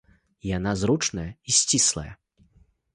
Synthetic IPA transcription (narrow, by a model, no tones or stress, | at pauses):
ijanazɾut͡ʂnɐjɐisʲt͡sʲislˠɐ̰jɐ̰